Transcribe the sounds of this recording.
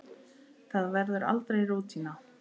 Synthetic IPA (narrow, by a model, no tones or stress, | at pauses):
θaðvɛɾðʏɾa̰lt̪ɾejroːt̪ʰina